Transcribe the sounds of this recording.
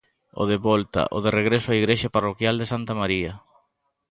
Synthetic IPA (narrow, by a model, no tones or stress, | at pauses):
o̰ðeβɔlt̪a̰ʔoðereɣɾesʊaiɣɾeʃaparokjald̪esant̪amaɾiɐ